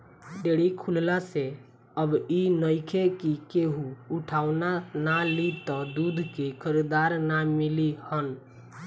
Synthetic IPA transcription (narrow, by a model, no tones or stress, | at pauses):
ɖeɽikʰullase | əbinəɪkʰekikeɦuuʈʰaːʊnanalit̪ɔd̪ud̪ʱkekʰəɾid̪aɾnamilihən